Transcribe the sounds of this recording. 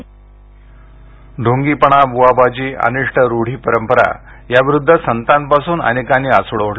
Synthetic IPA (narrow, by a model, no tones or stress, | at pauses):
ɖʱõŋɡiːpəɳ̃abuabʱad͡ʑiːə̰niʂʈʰəɾoɽ̤iːpəɾəmpəɾa̰ | jaʋiɾud̪ʱːəsənt̪anpasuːnə̰nekanːiːasoɽəʋəɽ